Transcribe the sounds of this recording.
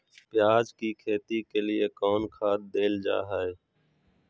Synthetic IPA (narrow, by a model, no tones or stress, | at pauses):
pɪjaːd͡ʒkiːkʰeːt̪iːkeːlɪeːkɔːnkʰaːt̪̚d̪eːld͡ʒa̰ːɦəeː